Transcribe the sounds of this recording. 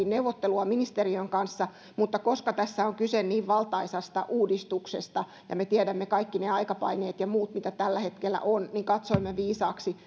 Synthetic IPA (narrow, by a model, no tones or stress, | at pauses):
inneuʋot̪ːeluɑminist̪eriøŋkɑnsːɑ | mut̪ːɑkoskɑt̪æsːæoŋkysenniːʋʋɑlt̪ɑisɑst̪ɑ̰ʔuːdist̪uksḛst̪ɑ | jɑ̰met̪iædæmːekɑikːineɑikɑpɑ̰ineːt̪jɑmuːt̪mit̪æt̪ælːæhet̪kelːæ̰ʔonniŋkɑt̪soimːeʋiːsɑːksi